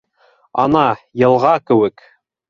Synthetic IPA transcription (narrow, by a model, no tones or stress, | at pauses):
ɑnɑjɤ̆lˠʁɑkɘ̆wɘk